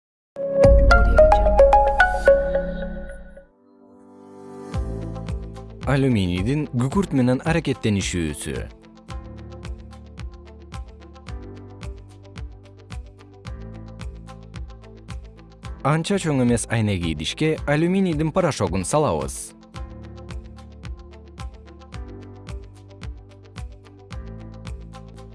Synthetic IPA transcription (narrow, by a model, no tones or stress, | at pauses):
alʲumʲinʲid̪iŋɡykyɾt̪me̞ne̞nɑɾake̞t̪ːe̞niʃy̰ːsy̰ | ɑnt͡ʃɑt͡ʃʰoŋe̞me̞sɑjneɡid̪iʃkealʲumʲinid̪inpaɾaʃo̞ɡunsɑlˠɑβɯ̰z̥